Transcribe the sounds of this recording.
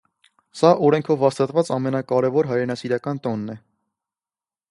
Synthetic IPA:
sɑʔɔɾɛŋkʰɔvːɑst̪ɑt̪vɑt͡sɑmɛnɑkɑɾɛvɔɾɦɑjɾɛnɑsiɾɑkɑnt̪ɔnːɛ

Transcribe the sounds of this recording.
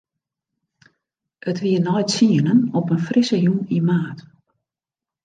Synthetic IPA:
ʔətʋiənɔjtsiənənɔpənfrisəjumimaːt

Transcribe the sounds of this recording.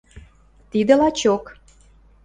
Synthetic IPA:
t̪id̪ə̆lɑt͡ɕok

